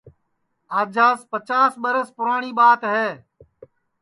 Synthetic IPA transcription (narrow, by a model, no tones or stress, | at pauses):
aːd͡ʒaːspət͡ʃaːsɓəɾəspʊɾaːɳiːɓaːt̪ɦeː